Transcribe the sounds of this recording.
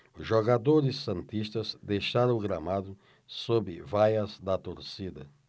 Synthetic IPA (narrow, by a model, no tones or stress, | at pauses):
ʒoɣad̪oɾɪsːɐ̃nt̪iʃt̪ɐzd̪ejʃaɾɐ̃wɡɾamad̪ʊ | sobɪvajɐzd̪ɐt̪oɾsid̪ɐ̰